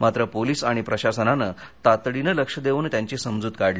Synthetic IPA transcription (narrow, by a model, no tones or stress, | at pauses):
mat̪ɾəpoliːsaɽ̃ipɾəɕasənanət̪at̪ɽinələkʂəd̪eʋuːnt̪jaɲt͡ɕisəmd͡zuːt̪kaɽli